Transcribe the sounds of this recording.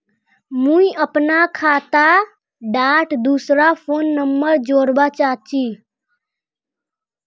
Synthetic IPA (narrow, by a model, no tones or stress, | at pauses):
mũiəpnakʰaːt̪a | ɖaːʈd̪uːsɾapʰoːnːəmbəɾd͡ʒoːɾbat͡ʃat͡ʃʰiː